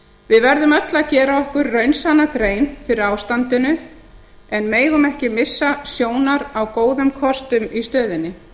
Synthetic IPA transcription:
vɪðvɛɾðʏmœt̪laðcɛːɾaɔhkʏɾːœɥnsanːakɾeːjnfɪɾɪɾaːwst̪ant̪ɪnʏ | ɛnmeːjɣʏmɛhcɪmɪsːasjoːwnaɾawkoːwðʏmkʰɔst̪ʏmist̪œːðɪnːɪ

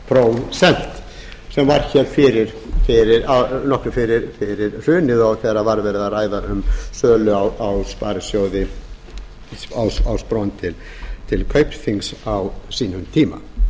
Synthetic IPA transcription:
pʰɾow̪sɛn̥t̪ | sɛmvaɾ̥çɛlfɪɾɪɾfɪɾɪɾanɔkɾʏfɪɾɪɾfɪɾɪɾr̥ʏːnɪðɔwkʰɛravaɾvɛɾðaraːjðaɾʏmsœːlʏawawspaːɾsjowðɪ | awsawspɾownt̪ʰɪl | t̪ʰɪlkʰœɥpθiŋsawsiːnʏmt̪ʰiːma̰

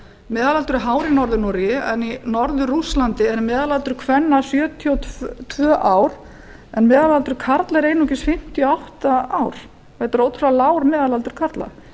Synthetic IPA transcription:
mɛːðalalt̪ʏɾɦaːwɾɪnɔɾðʏnɔɾɪɪɛninɔɾðʏɾruslant̪ɪɛɾmɛːðalalt̪ʏɾ̥kʰvɛnːasjœːt̪ʰiɔt̪t̪ʰvœːʔaːwɾ̥ | ɛnmɛːðalalt̪ʏɾ̥kʰaɾt̪laɛɾeːjnɔcɪsfɪm̥t̪iɔawht̪aawɾ̥ | vejt̪ʏɾoːwt̪ʰɾɾalaːwɾmɛːðalalt̪ʏɾ̥kʰaɾt̪la̰

